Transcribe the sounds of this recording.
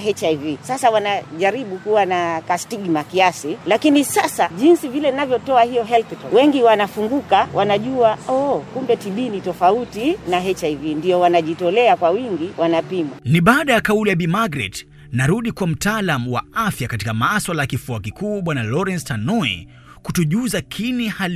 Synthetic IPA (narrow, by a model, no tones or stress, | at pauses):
ɦɛt͡ʃajvisasawanaʄaɾiɓukuwanakastiɡmakiasilakinisasaʄinsivilɛnavjɔtɔahijɔɦɛlθitɔwɛŋɡiwanafuŋɡukawʔanaʄuaɔkumbɛtiɓinitɔfautinaɦɛt͡ʃajvindiɔwanaʄitɔlɛakwawiŋɡiwanapimwaniɓaːɗajakaulijaɓimaɡɾɛ̰t | naɾuɗikwam̩taːlamuwa̰afjakatikamaswalajakifuakikuːɓwanalɔɾɛnstanɔɛ̰ | kutuʄuzakʰinihal